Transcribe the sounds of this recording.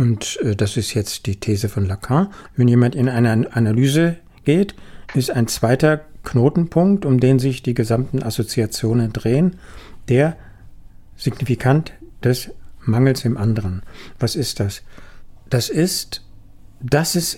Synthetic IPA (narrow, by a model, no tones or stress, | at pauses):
ʔʊntɛːd̥asɪstjɛt͡std̥iːtʰeːzəfɔnlakʰãvɛnjeːmantɪnʔaɪnəʔanalyːzə | ɡ̥eːtʔɪstaɪnt͡sv̥aɪtɐkʰnoːtn̩pʰʊŋk̚tʊmdeːnzɪçd̥iːɡəzamtn̩ʔasot͡siat͡sjoːnəndʁeːənd̥eːɐ | z̥ɪɡnifikʰantd̥ɛsmaŋl̩sd̥eːmʔandəʁənvasɪstd̥asd̥asɪst | d̥asɪs